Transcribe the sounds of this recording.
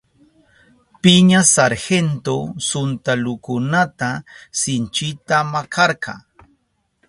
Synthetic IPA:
pɪɲasaɾhent̪osʊnt̪alʊkʊnat̪asɪnt͡ʃɪt̪amakʰɑɾkʰɑ̰ŋ

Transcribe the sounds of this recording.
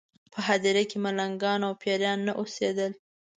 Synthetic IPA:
pʰəɦɑd̪eɾakemalaŋɡɑnawpjɑɾjɑnːaʔosed̪əl

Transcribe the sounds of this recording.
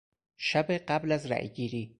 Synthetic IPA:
ʃabeqablazɾa̰ːjɡiːɾiː

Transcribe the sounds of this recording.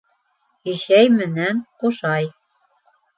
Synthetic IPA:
iɕæjmɘ̆nænqoʃɑj

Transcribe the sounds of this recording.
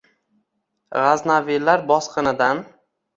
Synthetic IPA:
ʁaznavilaɾbɒsqʰɨnɪd̪an

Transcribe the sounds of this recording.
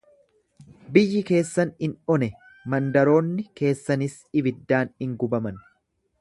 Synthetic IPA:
bɪjːɪke̞ːsːɐnɪnɔnɛ | mɐnd̪ɐɾo̞ːnːɪke̞ːsːɐnɪs | ɪbɪd̪ːaːnɪŋɡʊbɐmɐn

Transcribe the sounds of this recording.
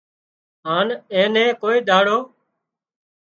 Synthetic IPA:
ɦaːnẽːnẽːkoːiːd̪ʱaːɽoː

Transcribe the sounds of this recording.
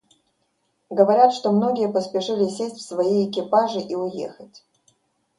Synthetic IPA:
ɡəvɐɾʲat̪ʂt̪o̞mno̞ɡʲɪjəpəspʲɪʂɨlʲɪsʲesʲtʲfsvɐjiɪkʲɪpaʐɨʔiʊjḛxətʲ

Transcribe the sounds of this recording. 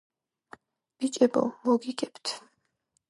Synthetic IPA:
b̥it͡ʃʼɛbɔ̰mɔɡiɡɛpt̪ʰ

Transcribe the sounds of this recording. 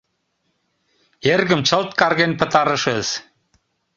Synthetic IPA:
eɾɣə̆mt͡ɕʰə̆lt̪̚kɑɾɣenʲpə̆t̪ɑɾə̆ʃə̆z̥

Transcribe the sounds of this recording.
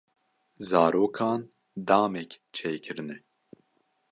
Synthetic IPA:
zɑːɾoːkʰɑːn | d̪ɑːmɛkt͡ʃʰeːjkʰɨɾɨnɛ

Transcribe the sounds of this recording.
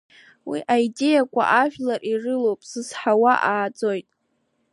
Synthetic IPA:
wiʔaide̞jakʷʰʼa̰ʔaʒᶣlarʔirɨlowpʼsɨzħawaʔaːd͡zʼojtʼ

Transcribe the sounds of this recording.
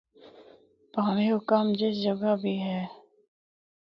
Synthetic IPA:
paːmeɦʊkamd͡ʒɪs̬d͡ʒəɡabʱiɦɛː

